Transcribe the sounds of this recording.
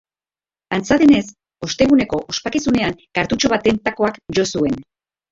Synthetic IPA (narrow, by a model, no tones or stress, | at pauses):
ant͡saðe̞ne̞s | o̞st̪e̞ɣ̞une̞ko̞ʔospakesune̞aŋkaɾt̪ut͡ʃo̞βat̪e̞nt̪ako̞akʝo̞sue̞n